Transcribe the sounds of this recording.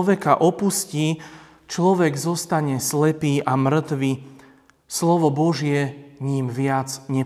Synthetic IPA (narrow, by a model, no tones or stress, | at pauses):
ʋɛkaʔɔpusciː | t͡ʃlɔʋɛɡzɔst̪aɲɛslɛpiːʔamr̩t̪ʋiː | slɔʋɔbɔʒɪɛɲiːmʋɪad͡zɲɛ